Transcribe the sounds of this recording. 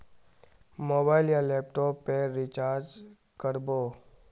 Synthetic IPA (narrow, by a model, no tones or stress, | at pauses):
moːbaːɪljaleːpʈoːpːeɾit͡ʃaːɾd͡ʒ | kəɾboː